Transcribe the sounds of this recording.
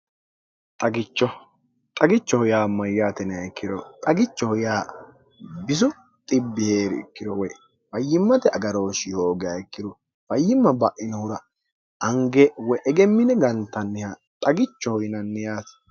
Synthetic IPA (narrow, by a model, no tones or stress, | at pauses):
t̪ʼɐɡɪt͡ʃːɔ | t̪ʼɐɡɪt͡ʃːɔhɔjaːmːɐjːaːt̪ɛnɛɐjkːɪdɔt̪ʼɐɡɪt͡ʃːɔhɔjaː | bɪs̬ʊ | t̪ʼɪbːɪheːɾɪ̰kːɪd̪ɔwɛ | bɐjːɪmːɐt̪ɛɐɡɐɾo̞ːʃɪhoːɡɛɐjkːɪd̪ɔ | b̥ɐjːɪmːɐbɐʔɪnɐhʊɾɐ | ɐŋɡɛwɛʔɛɡɛmːɪnɛɡɐnt̪ːɐnːɪha | t̪ʼɐɡɪt͡ʃːɔhɔjɪnɐnːɪjaːt̪